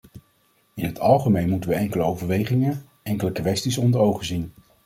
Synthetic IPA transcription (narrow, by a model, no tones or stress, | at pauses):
ɪnɦətʰɑlˠχəmejnmutəʋəɛŋkələowvəɹʋejχɪŋə | ɛŋkələkʋɛstisɔndəɹowχəzin